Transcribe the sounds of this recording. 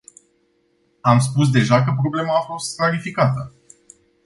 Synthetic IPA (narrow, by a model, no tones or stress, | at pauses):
ams̬pus̬d̪e̞ʒakəp̬ɾo̞ble̞maːfo̞st̪̚klaɾifikat̪ə